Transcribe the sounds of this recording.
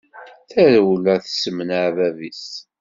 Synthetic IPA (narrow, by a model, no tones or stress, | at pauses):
θæɾwəlæθsəmənaʕvævis